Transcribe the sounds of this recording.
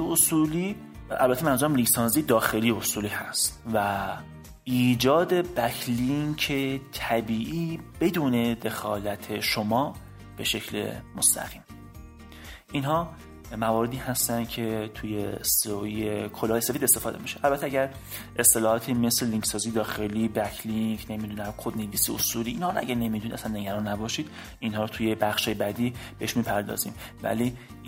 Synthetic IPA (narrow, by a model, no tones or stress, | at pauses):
eosuːliː | æ̰lbæt̪ʰːemænzuɾæmliŋksɒːnzijed̪ɒːxe̞lijeosuːliːhæst̪væ | iːd͡ʒɒːd̪e̞bækʰliŋcʰet̪ʰæbiːʔiːbe̞d̪uːne̞d̪e̞xɒːlæt̪ʰeʃomɒː | b̥e̞ʃe̞cʰlḛmost̪ʰæ̰ɣ̥iːm | ʔinɦɒː | mævɒːɾe̞d̪iːhæst̪ænd̪̚cʰe̞t̪ʰujesojekʰolɒːjesefiːd̪e̞st̪e̞fɒːd̪e̞̰miʃeʔælbæt̪ʰeæɡɟæɾ | ʔest̪e̞lɒːhɒːt̪ʰime̞sleliŋksɒːziːd̪ɒːxe̞liːbækʰliŋkne̞mid̪unæmkʰod̪neviːsiosuliːnhɒːɾoæ̰ɡæɾne̞mid̪unid̪æsænːe̞ɡæɾɒːnːæbɒːʃiːd̪̥ | ʔinɦɒːɾot̪ʰuje̞bæxʃɒːjebæd̪iːb̥eeʃmiːpʰæɾd̪ɒ̰ːzḭːm | væ̰li